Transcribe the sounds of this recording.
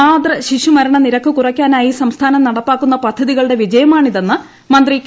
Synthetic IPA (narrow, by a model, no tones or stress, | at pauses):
aːd̪rɐɕiɕumɐɾɐɳɐniɾɐkːɨkurɐkʲːaːnaːjisɐmst̪ʰaːnɐmnɐɽɐpːaːkːunːɐpɐd̪ʰʱːɐðiɣɐɭɨɽe̞ʋid͡ʑɐjɐmaːɳiðe̞nːɨ | mɐnd̪rikː